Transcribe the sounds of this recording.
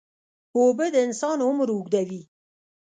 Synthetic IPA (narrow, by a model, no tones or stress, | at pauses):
obed̪əɪnsɑnʊmɾʊɡd̪awi